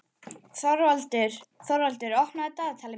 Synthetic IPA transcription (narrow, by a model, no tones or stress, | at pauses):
θɔɾvalt̪ɪɾ̥θɔɾvalt̪ʏɾɔhknaðt̪aðt̪ʰaːlɪ